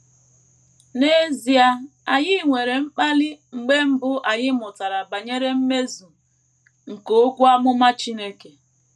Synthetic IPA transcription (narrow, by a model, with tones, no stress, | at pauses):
ne˦zi˨a˦a˨ɲɪ˦ŋʷe˨ɾe˨m̩˦k͡pa˦lɪ˦ŋ͡m̩˨ɡ͡be˦m̩˦bʊ˦ʔa˨ɲɪ˦mʊ˨ta˨ɾa˨ba˨ɲe˦ɾe˦m̩˦me˦zu˨ | ŋ̩˨ko˨o˦kʷu˦a˦mʊ˦ma˦t͡ʃi˦ne˦ke˨